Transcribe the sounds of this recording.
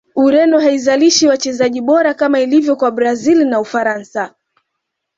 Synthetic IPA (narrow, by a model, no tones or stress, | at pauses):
uɾɛnɔɦaizaliʃiwat͡ʃɛzaʄiɓɔɾakamailivjɔkwaɓɾazilinaufaɾansa